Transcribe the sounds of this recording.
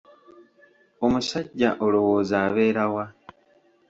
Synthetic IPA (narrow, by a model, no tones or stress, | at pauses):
o̞musaɟːaʔo̞lo̞wo̞ːzaːβe̞ːɾawa